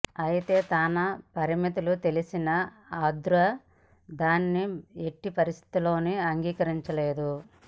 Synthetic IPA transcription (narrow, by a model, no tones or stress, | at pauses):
ɐjit̪e̞ːt̪aːnɐpɐɾimit̪ulut̪e̞lisinɐ | aːd̪ɾɐ | d̪aːnːieʈːipɐɾist̪ʰi̥t̪ilo̞ːniɐŋɡiːkɐɾiɲt͡ʃɐle̞ːd̪u